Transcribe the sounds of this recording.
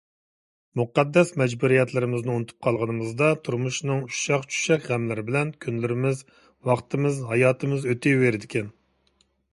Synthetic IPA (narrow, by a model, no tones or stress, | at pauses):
muqɛd̪ːɛsmɛd͡ʒbuɾijɛt̪ʰlɪɾɪmɪznɪunɨt̪ʰu̥p̚qʰɑlˠʁənɨmɨzd̪ɑt̪ʰuɾmuʃnɨŋu̥ʃɑχt͡ʃʰu̥ʃɛkʲʁɛmlɪɾɪbɪlɛnkʲʰynlɪɾɪmɪz | wɑχt̪ɨmɨzɦɑjɑːt̪ʰɨmɨzøt̪ʰɪveɾɪd̪ɪkʲɛn